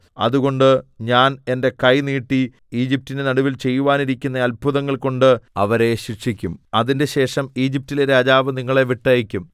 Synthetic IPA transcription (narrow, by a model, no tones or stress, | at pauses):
ɐ̰ðuɣo̞ɳɖɨɲaːne̞nde̞kɐjniːʈːi | iːd͡ʑip̚tinenɐɽuʋilt͡ɕe̞jːuʋaːniɾikʲːunːɐɐlbʱuðɐŋːɐɭko̞ɳɖɨɐʋɐɾe̞ɕiʂikʲːumɐðinde̞ɕe̞ːʂɐmiːd͡ʑip̚tileɾaːd͡ʑaːʋɨniŋːɐɭe̞ʋiʈːɐjikʲːum